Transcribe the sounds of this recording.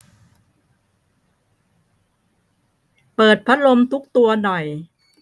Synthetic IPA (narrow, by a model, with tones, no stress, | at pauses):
pɤː˨˩t̪̚pʰa˦˥lo˧mt̪ʰu˦˥k̚t̪u˧ɐnɔ˨˩j